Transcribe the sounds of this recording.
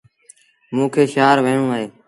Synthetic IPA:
mũːkʰeːʃaːɾʋẽːɳũːaɦeː

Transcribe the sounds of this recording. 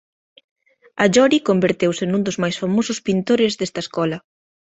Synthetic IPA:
ɐʎɔɾikombeɾt̪ewsɪnũnd̪ʊzmajsfamosʊspint̪oɾɪzðest̪ɐeskɔlɐ

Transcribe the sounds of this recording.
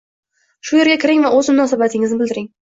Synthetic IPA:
ʃʊje̞ɾɡʲakʲʰɪɾɪŋvaɵzmʊnɒsabat̪ʰɪŋɪznɪbɪld̪ɪɾɪŋ

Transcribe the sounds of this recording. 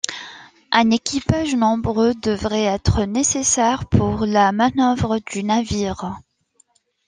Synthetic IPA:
ʔɛ̃nekʲipaʒnɔ̃bʁød̪əvʁɛɛt̪χənesesɛʁpuʁlamanœvʁəd̪ynaviːʁ

